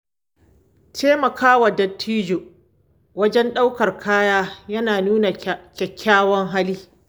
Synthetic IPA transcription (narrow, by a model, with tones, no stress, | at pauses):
tʰeː˦mɐ˨kʰaː˦wɐ˨dɐ˦tʰːiː˦d͡ʒo˨ | wɐ˦d͡ʒɛ˦nɗa˦wkɐ˨rkʰaː˦jaː˦jɐ˦naː˨nuː˦na˨kʲɛ˨kʲʰːaː˦wɔ˦ŋɦa˦liː˦